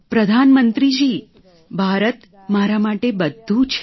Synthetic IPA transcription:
pɾəd̪ʱanmənt̪ɾid͡ʒi | bʱaɾət̪ | maɾamaʈebəd̪ʱːũt͡ʃʰ

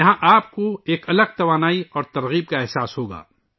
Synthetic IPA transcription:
ɐɦãʔaːp̚koeːkɐləɡ̚t̪ɐʋaːnaːiɔːɾt̪ɐɾɣiːb̚kaɛɦsaːsɦoːɡa̰ː

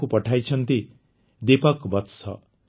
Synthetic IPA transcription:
kupɔʈʰajt͡ʃʰʌnt̪i | d̪epɔkbɔt̪sɔ̰

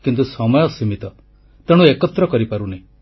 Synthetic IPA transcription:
kint̪usɔmɔjɔsimit̪ɔ | t̪eɽ̃ũekɔt̪ɾɔkɔɾipaɾunaĩ

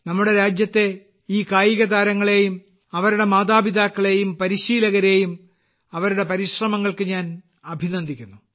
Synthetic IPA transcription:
nɐmːuɽe̞ɾaːd͡ʑjɐt̪ːe̞ | iːkaːjiɣɐd̪aːɾɐŋːɐɭe̞ːjum | ɐʋɐɾuɽe̞maːd̪aːbid̪aːkːɐɭe̞jumpɐɾiɕiːlɐɣɐɾe̞ːjum | ɐʋɐɾuɽe̞pɐɾiɕrɐmɐŋːɐɭkɨɲaːn | ɐbʱinɐnd̪ikʲːunːu

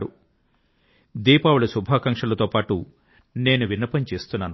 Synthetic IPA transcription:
ɾu | d̪iːpaːwulɐsubʱaːkɐŋkʂɐlɐt̪o̞ːpaːʈu | ne̞ːnuʋinːɐpɐnt͡ʃe̞ːst̪unːaːnu

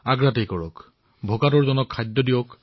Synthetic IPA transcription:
aɡɹatejkɔɹɔk | bʱokatɔɹzɔnɔkʰːajd̪ːɔdijɔk

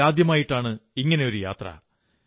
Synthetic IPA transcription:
aːd̪jɐmaːjiʈːaːɳɨiŋːɐne̞o̞ɾuja̰ːt̪rɐ̰

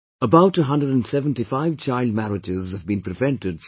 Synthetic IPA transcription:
əbaʊtəɦʌ̃ndɹəd̃nsɛvə̃ntifaɪvt͡ʃʰaɪlˠd̚mæɹɪd͡ʒɪzəvbĩnpʰɾɨvɛ̃ntɨd

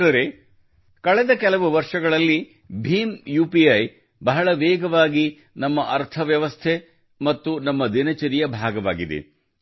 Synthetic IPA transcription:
ɐɾe | kɐɭɛd̪ɐkɛlɐʋuʋɐɾʂɐɡɐɭɐlːi | bʱiːmjuːpiɐj | bɐɦɐɭɐʋɛːɡɐʋaːɡi | nɐmːɐʔɐɾt̪ʰɐʋjɐʋɐst̪ʰe | mɐt̪ːunɐmːɐd̪inɐt͡ʃɐɾijɐbʱaːɡɐʋa̰ːɡid̪ḛ

